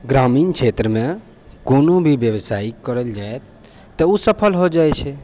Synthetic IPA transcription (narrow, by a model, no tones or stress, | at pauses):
ɡɾaminkʰt͡ʃʰet̪ɾəme | konobʱibjəbsaikəɾəld͡ʒaet̪ː | əusəpʰəlɦod͡ʒajt͡ʃʰɛ